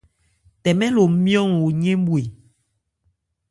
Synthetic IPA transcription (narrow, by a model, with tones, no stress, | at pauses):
tɛ˨mɛ˦lo˨˦mjɔ˦˨ŋwo˨ɲe˦m˦bwe˨